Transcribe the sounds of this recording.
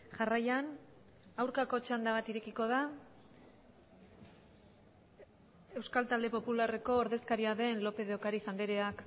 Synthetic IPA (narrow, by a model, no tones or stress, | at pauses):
ʝarajan | awɾkako̞t͡ʃand̪aβat̪iɾe̞kiko̞ð̞a | e̞wskalt̪ald̪e̞po̞pulare̞ko̞ːɾðe̞skaɾiaðe̞nlo̞pe̞ð̞eokaɾiθand̪eɾe̞ak